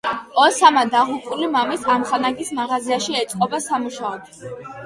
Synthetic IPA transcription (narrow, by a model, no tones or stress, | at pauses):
ɔsamad̪aʁupʼulimamisamχanaɡismaʁaziaʃiɛt̪sʼqʼɔbasamuʃaɔd̪